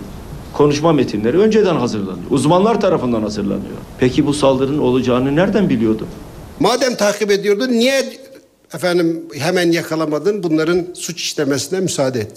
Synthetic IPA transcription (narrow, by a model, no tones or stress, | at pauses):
kʰo̞nuʃmamet̪ʰinlʲeɾiø̞nd͡ʒed̪ænɦazɯɾlˠa̰nɯjo̰ʔuzmanlˠaɾt̪ʰaɾafɯnd̪anhazɯɾlˠa̰nɯjo̰pʰɛcʰibusalˠd̪ɯɾɯno̞lˠad͡ʒaːɯnɯnæɾd̪ænbilʲijo̞ɾd̪u | maːd̪ɛmt̪ʰaːqʰibed̪ijoɾd̪unijɛ | ɛfænd̪imɦɛmænjɑkʰɑlˠamad̪ɯnbunlˠɑɾɯnsut͡ʃʰi̥ʃlɛmɛsinɛmysaːd̪ɛet̪ːi